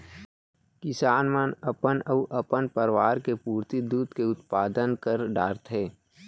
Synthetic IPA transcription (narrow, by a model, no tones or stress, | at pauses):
kɪsaːnmənəpənəʔɐpənpəɾʋaːɾkepuːɾt̪id̪uːd̪keʊt̪paːd̪ənkəɾɖaːɾt̪ɦeː